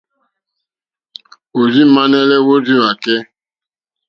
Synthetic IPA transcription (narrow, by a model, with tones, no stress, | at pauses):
o˨zi˦ma˦ne˦le˦wo˦zi˦a˨ke˦